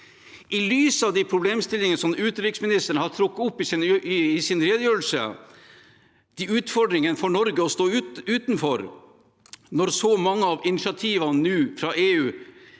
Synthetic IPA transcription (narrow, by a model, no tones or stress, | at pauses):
ʔɪlyːsəɑʋd̪ɛpʰɾʊbleːmst̪ɪlɪŋənəsɔmʉːt̪əɾɪksmɪnɪst̪əɳəhɑt̪ʰɾʊkːʊpːɪsɪnɪɪsɪnɾeːd̪əjøːl̩sə̰ | d̪̥iʉːt̪fɔɖɾɪŋənəfɔɳɔɾɡəɔst̪oːʉʉːt̪nfɔɾ | nɔɾsɔmɑŋːəɑʋɪnɪʃɑt̪ʰiːʋɑnnʉːfɾɑːʔeːʉː